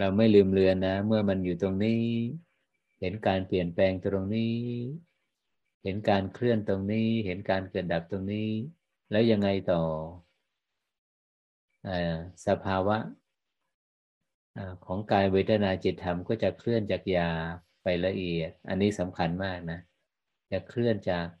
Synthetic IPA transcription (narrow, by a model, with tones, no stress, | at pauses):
ɾa˧wma˥˩jlɯː˧mlɯ˧ənːa˦˥mɯ˥˩ɐma˧njuː˨˩t̪o˧ŋniː˦˥˩ | he˩˦nkaː˧npli˨˩ənplɛː˧ŋt̪ɾo˧ŋniː˦˥˩ | he˩˦nkaː˧nkʰlɯ˥˩ənt̪o˧ŋniː˦˥he˩˦nkaː˧nkɤː˨˩t̪̚da˨˩p̚t̪o˧ŋniː˦˥ | lɛː˦˥wja˧ŋːa˧jt̪ɔː˨˩ | ʔaː˧˩sa˧pʰaː˧wa˦˥ʔ | ʔaː˧˩kʰɔː˩˦ŋkaː˧nweː˧˥t̪ʰa˧naː˧t͡ɕi˨˩t̪ʰːa˧mkɔː˥˩t͡ɕa˨˩kʰlɯ˥˩ənt͡ɕaː˨˩k̚jaː˧ | pa˧jla˧ʔi˨˩ət̪̚ʔa̰˧nːiː˦˥˩sa˩˦mkʰa˧nmaː˥˩k̚na˦˥ | t͡ɕa˨˩kʰlɯ˥˩ənt͡ɕaː˨˩k̚